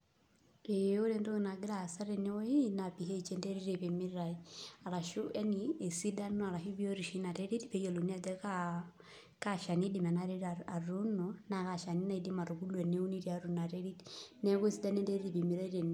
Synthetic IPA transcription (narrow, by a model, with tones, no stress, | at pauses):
e˨o˦ɾe˨nto˦ki˨na˨ɡi˦ɾa˨sa˦ɾe˨nɛ˦wɔ˦i˦na˨pi˨ɦe˦i˨t͡ʃe˦nde˦ɾi˦ɾe˨pe˨mi˦ɾa˨ia˨ɾa˨ʃu˦ɛ˦ni˨e˨si˦da˦nɔ˦a˨ɾa˨ʃu˦bi˦o˦ɾi˨ʃi˦na˨ɾe˦ɾi˦dpe˨˦jo˨lu˨ni˦a˨d͡ʒɛ˦ka˦ | ka˦ʃa˨ni˦di˨mɛ˨na˦ɾe˦ɾa˨a˨ɾu˦nɔ˨na˨ka˨ʃa˨ni˦na˦˨i˨di˦ma˨ɾu˨ɡu˦lwɛ˨ni˦u˦ni˦ɾi˦a˨ɾu˨na˨ɾe˦ɾi˦dnɛ˦ko˦e˦si˦da˦ne˦nde˦ɾi˦di˨pi˨mi˨ɾa˦i˦ɾe˨n˨